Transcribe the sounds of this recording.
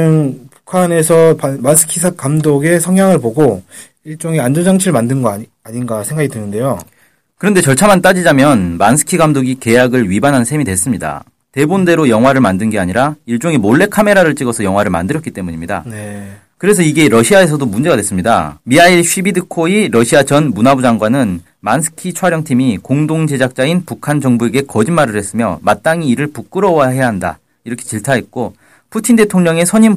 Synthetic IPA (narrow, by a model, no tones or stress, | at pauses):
ɯnpu̥kʰane̞sʰʌmansʰɯ̥kʰisʰakamdoɡe̞sʰʌŋɦjaŋɯɭboɡo | iɭt͡ɕ͈oŋeand͡ʑoɲd͡ʑaŋt͡ɕʰiɾɭmandɯnɡʌa | aɲinɡasʰe̞ŋɡaɡidɯnɯnde̞jo | kɯɾʌnde̞t͡ɕʌɭt͡ɕʰamant͈ad͡ʑid͡ʑamjʌnmansʰɯ̥kʰiɡamdoɡike̞jaɡɯɭɥibanɦansʰe̞midwe̞s͈ɯmɲida̰ | te̞bonde̞ɾojʌŋɦwaɾɯɭmandɯnɡe̞aɲiɾaiɭt͡ɕ͈oŋemoɭːe̞kʰame̞ɾaɾɯɭt͡ɕ͈iɡʌsʰʌjʌŋwaɾɯɭma̰ndɯɾʌk͈it͈e̞muɲimɲida̰ne | kɯɾe̞s̬ʰʌiɡe̞ɾʌɕʰiae̞s̬ʰʌdomund͡ʑe̞ɡadwe̞s͈ɯmɲida̰miaiɭɕʰibidɯkʰoiɾʌɕʰiat͡ɕʌnmunabud͡ʑaŋɡwanɯn | mansʰɯ̥kʰit͡ɕʰwaɾjʌŋtʰimikoŋdoŋd͡ʑe̞d͡ʑak̚t͡ɕ͈ainpukʰand͡ʑʌŋbue̞ɡe̞kʌd͡ʑinmaɾɯɾɦe̞s͈ɯmjʌmat̚t͈aŋiːɾɯɭpuk͈ɯɾʌwaɦe̞jaɦanda̰ | iɾʌkʰet͡ɕiɭtʰaɦe̞t̚k͈o | pʰutʰinde̞tʰoŋɲʌŋe̞sʰʌɲim